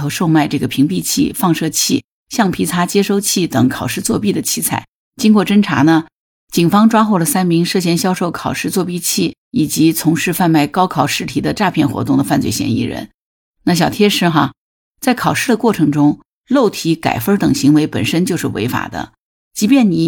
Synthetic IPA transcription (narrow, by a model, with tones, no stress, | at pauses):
o˧˥ʊʂo˥˧ʊma˥˧ɪʈ͡ʂɤ˥˩ɡə˩pʰi˧˥ŋpi˥˧t͡ɕʰḭ˥˩fɑ˥˧ŋʂɤ˥˧t͡ɕʰi˥˩ | ɕjɑ˥˩ŋpʰi˧˥t͡sʰa˧˥t͡ɕjɛ˥ʂo˥˧ʊt͡ɕʰi˥˩t̪ɤ˨˩ŋkʰɑ˨˩ʊʂɻ̩˥˧t͡swɔ˥˧pi˥˩d̪ə˩t͡ɕʰi˧˥t͡sʰa̰˥˩ɪ | t͡ɕi˥ŋkwɔ˥˩ʈ͡ʂə˥ŋʈ͡ʂʰa̰˧˥nə˧ | t͡ɕi˨˩ŋfɑ˥ŋʈ͡ʂwa˥xo˥˩ʊlə˩sa˥nmi˧˥ŋʂɤ˥˩ɕ̬jɛ˥˩nɕjɑ˥ʊʂo˥˩ʊkʰɑ˨˩ʊʂɻ̩˥˧t͡swɔ˥˧pi˥˧t͡ɕʰi˥˩ | i˨˩t͡ɕi˧˥t͡sʰʊ˧˥ŋʂɻ̩˥˧fa˥˧nma˥˩ɪkɑ˥ʊkʰɑ˨˩ʊʂɻ̩˥˩t̪ʰi˧˥d̪ə˧ʈ͡ʂa˥˧pʰjɛ˥˩nxwɔ̰˧˥t̪ʊ˥˩ŋd̪ə˩fa˥˧nt͡swe˥˩ɪɕjɛ̰˧˥nḭ˥˩ɻə̰˧˥n | na˥˩ɕ̬jɑ˨˩ʊt̪ʰjɛ˥ʂɻ̩˥˩xa˧ | t͡sa˥˩ɪkʰɑ˨˩ʊʂɻ̩˥˩d̪ə˩kwɔ˥˩ʈ͡ʂʰɤ˧˥ŋʈ͡ʂʊ˥ŋ | lo˥˩ʊt̪ʰi˧˥ka̰˨˩ɪfə˥t̪ɤ˨˩ŋɕi˧˥ŋwe˧˥ɪpə̰˨˩nʂə˥nt͡ɕjo˥˧ʊʂɻ̩˥˩we˧˥ɪfa̰˨˩d̪ə̰˦ | t͡ɕi˧˥pjɛ˥˩nni˨˩˦